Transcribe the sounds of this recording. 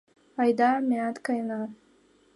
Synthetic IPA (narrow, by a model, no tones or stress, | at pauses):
ajd̪amiat̪kajna